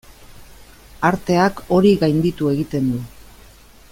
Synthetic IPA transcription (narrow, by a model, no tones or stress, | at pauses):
aɾt̪e̞ako̞ɾiɣajnd̪it̪ue̞ɣit̪e̞nd̪u